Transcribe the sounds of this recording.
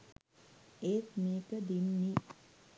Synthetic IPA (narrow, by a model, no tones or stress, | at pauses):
eːt̪miːkəd̪inːi